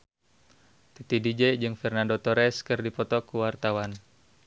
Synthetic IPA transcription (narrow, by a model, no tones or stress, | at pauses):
t̪it̪idid͡ʒɛd͡ʒɨŋfɛrnandot̪ɔɾɛskɨrdipɔt̪ɔkuwart̪awan